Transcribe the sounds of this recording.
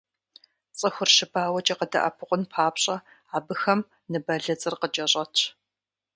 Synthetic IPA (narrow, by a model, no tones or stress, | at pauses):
t͡sʼɨxʷʊrʃɪbaːwɐt͡ʃʼɐqədɐ̰ʔɐ̰pʰɨqʷʊnpʰaːpɕʼɐ | aːbɨxɐm | nɨbɐɮɐt͡sʼɨrqət͡ʃʼɐɕʼɐtʰ